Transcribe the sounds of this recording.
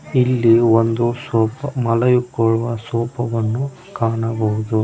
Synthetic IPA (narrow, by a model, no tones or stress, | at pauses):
ilːiond̪usɔːpɐmɐlɐjukːɔɭuʋɐsɔːpɐʋɐnːu | kaːɳɐbɐɦud̪u